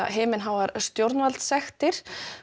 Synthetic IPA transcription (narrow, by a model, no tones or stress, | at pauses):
a̰ɦeːmɪnɦawvaɾst̪jowɾt̪nvalt̪sɛxt̪ɪɾ̥